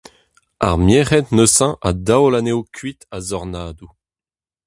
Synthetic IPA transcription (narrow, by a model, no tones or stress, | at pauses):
a̰ʁmjeʁɛt̪nøsɑ̃ʔadawlanewkʰɥit̪azɔʁnaːd̪u